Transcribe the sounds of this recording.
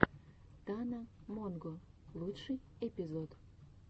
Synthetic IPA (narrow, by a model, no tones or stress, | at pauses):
t̪ɑnamonɡo | lˠut̪ʃɨjepʲizot̪